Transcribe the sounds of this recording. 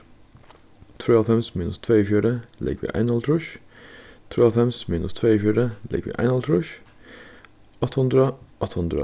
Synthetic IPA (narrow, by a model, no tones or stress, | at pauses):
t̪ʰɾeːɑfɛmsmiːnəst̪ʰʋeːiːfjuːɾəlʔɪ̰ɡʋḭːʔæ̰ɪnhɑlt̪ʰɾʊʃ | t̪ʰɾeːɑfɛmsmiːnʊst̪ʰʋeːiːfjuːɾəlɪ̰ɡʋḭːʔæ̰ɪnɑlt̪ʰɾʊʃ | ɑt̪hʊnd̪ɾəʔɑt̪ʰhʊnd̪ɾə̰